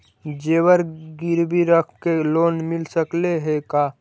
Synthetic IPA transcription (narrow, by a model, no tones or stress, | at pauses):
d͡ʒeːwəɾɡiɾbʱiɾəkʰkeloːnmɪlsəkleɦekaː